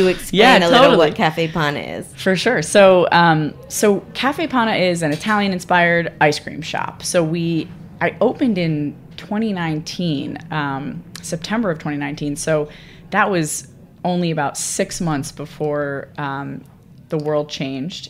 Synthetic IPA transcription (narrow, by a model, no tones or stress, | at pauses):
ɨɨkspjeæ̃nlʰɪoʊɾ̩ɾl̩ˠwʌt̚kʰæfeɪpʰɑnɨ̰ɪ̰z̥fə˞ʃʊɹsoʊʌ̃m | soʊkʰæfeɪpʰɑ̃ɾ̃ɨʔɪzɨ̃nɨtʰælˠjɨ̃nɨ̃nspaɪə˞ɾaɪskɹ̥ḭ̃mʃɑ̰psoʊwi | ʔaɪʔoʊpɨ̃ndɪ̃n | tʰw̥ɛ̃ɾ̃inãɪ̃ntʰĩnʌ̃msɛp̚tʰɛ̃mbə˞ʌvtʰw̥ɛ̃ɾ̃ĩnãɪ̃ntʰĩnsoʊ | ðɨt̚wʌz | õʊ̃nliɨbaʊtsɪksmʌ̃nθsb̥əfɔɹʌ̃m | ðəwɜ˞lˠd̚t͡ʃʰẽɪ̃nd͡ʒd̥